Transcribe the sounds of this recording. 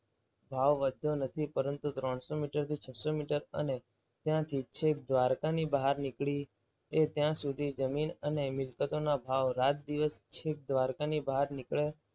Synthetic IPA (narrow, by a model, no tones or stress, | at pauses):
bʱaʋʋəd̪ʱjonət̪ʰipəɾənt̪ut̪ɾəɳ̃somiʈəɾt̪ʰit͡ʃʰəsomiʈəɾə̰ne | t̪jãt̪ʰit͡ʃʰek̚d̪ʋaɾkanibaɦaɾnɪkɭi | et̪jãsud̪ʱid͡ʒəminənemɪlkət̪onabʱaʋɾat̪̚d̪iʋəst͡ʃʰek̚d̪ʋaɾkanibaɦaɾnɪkɭe